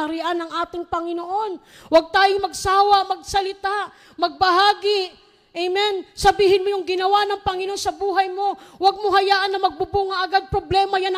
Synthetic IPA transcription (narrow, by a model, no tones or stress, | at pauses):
ɐɾɪʔanɐŋʔaːt̪ɪŋpɐŋɪnoʔo̞n | wɐɡ̚t̪aːjʊŋmɐɡsaːwɐʔmɐɡ̚sɐlɪt̪aʔ | mɐɡ̚bɐɦaːɡɪʔ | ʔɛjmɛnsɐbiːhɪnmojʊŋɡɪnɐwanɐŋpɐŋɪnoʔonsɐbuːɦɐjmo̞waɡ̚moɦɐjaːʔɐnɐmɐɡ̚bubuːŋɐʔɐɡad̪̚pɾoblɛːmɐjanɐ